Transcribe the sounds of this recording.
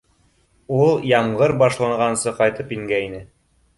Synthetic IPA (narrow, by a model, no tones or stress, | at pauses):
ulˠjɑmʁɤɾbɑʃlˠɑɴɢʁɑnsɤqɑjt̪ɤpiŋɡæinɘ